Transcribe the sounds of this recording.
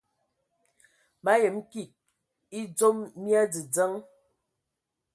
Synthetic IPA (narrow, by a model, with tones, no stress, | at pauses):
ba˦jə˨m̩˦ki˦˨t̚ | i˦d͡zo˦mmja˦d͡zi˨d͡zə˦ŋ